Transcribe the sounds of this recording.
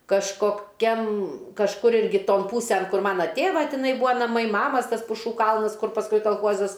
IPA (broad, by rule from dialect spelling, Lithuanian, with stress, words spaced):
kɐʃkoːˈkʲɛm kɐʃˈkʊr ˈɪrʲɡʲɪ ˈtoːn ˈpuːsʲɛn ˈkʊr ˈmɑːnɐ ˈtʲeːʋɐ tʲɪˈnɐɪ ˈbuːɐ nɐˈmɐɪ ˈmɑːmɐs ˈtɐs pʊˈʃuː ˈkɐlˠnɐs ˈkʊr pɐsˈkʊɪ kɐlˠˈxuɔzɐs